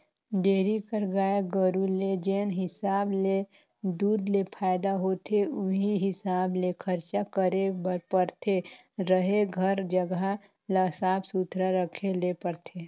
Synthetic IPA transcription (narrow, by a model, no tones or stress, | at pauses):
ɖeːɾikəɾɡaːeɡəɾuled͡ʒeːnɦɪsaːble | d̪uːd̪lepʰaːɪd̪aɦoːt̪ʰeʊɦiɦɪsaːblekʰəɾt͡ʃakəɾebəɾpəɾt̪ʰe | ɾəɦeɡʱəɾd͡ʒəɡa | ləsaːbsut̪ʰɾaɾəkʰelepəɾt̪ʰe